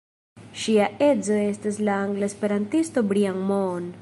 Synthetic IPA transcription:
ʃiae̞d͡zo̞e̞staslaːŋɡlaspe̞ɾantisto̞bɾiaŋmon

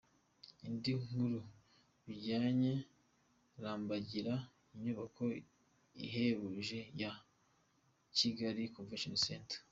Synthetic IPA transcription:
indiŋ̥uɾu | βiɟaːɲe̞ | ɾaːmbaɟiɾa | iɲuβakʰo̞ | ḭɦe̞βuʒe̞ja | ciɡaɾikonvenʃonsentḁ

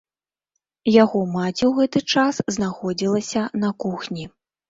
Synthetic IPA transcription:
jaɣɔmat͡sʲiwɣɛt̪ɨt͡ʂasznaxɔd͡zʲilˠɐsʲɐnɐkuxnʲi

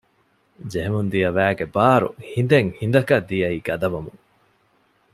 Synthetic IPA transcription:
d͡ʒeɦemund̪ijɐʋæːɡebaːɾṵhind̪eŋhind̪ɐkɐd̪ijɐiːɡ̥ɐd̪ɐʋɐmuŋ

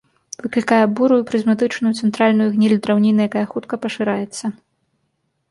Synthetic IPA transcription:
vɨklʲikajɛbuɾujupɾɨzʲmat̪ɨt͡ʂnujut̪sɛnt̪ɾalʲnujuɣnʲilʲd̪ɾawnʲinɨjakajɐxut̪kɐpɐʂɨɾajɛt̪sːɐ

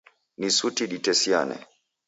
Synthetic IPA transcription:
nisutiɗitɛsianɛ̰

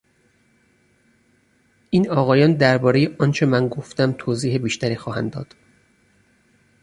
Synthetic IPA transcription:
ʔiːnɒːɣɒːjɒːnd̪æɾbɒːɾe̞jeʔɒːnt͡ʃʰe̞mænɡo̞ft̪æmt̪ʰoːziːhebiːʃt̪æɾiːxɒːhænd̪ɒ̰ːd̪̥

